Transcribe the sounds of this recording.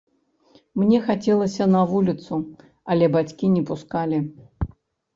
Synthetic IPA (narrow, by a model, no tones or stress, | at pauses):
mnʲɛxat͡sʲɛlˠɐsʲɐnɐvulʲit̪su | ɐlʲɛbat͡sʲkʲinʲɛpuskalʲi